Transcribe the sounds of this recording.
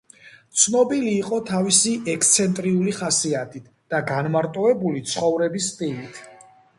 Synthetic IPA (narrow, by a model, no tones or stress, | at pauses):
t̪sʰnɔbiliːqʼɔt̪ʰavisiʔɛkʰst̪sʰɛnt̪ʼɾiuliχasiat̪ʰʼit̪ʰd̪̥aɡanmaɾt̪ʼɔɛbulit̪sʰχɔvɾɛbis̬t̪ʼilit̪ʰ